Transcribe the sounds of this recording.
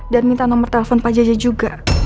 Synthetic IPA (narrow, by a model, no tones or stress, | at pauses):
danmint̪anɔmərt̪ɛlɛfɔnpad͡ʒad͡ʒad͡ʒuɡa